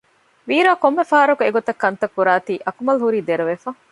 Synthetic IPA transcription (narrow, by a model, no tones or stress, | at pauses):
ʋiːɾaːkomːefaːɐɾɐkueɡot̪ɐkːɐnt̪ɐkːuɾaːt̪iːʔɐkumɐlɦuɾiːd̪eɾuʋefɐ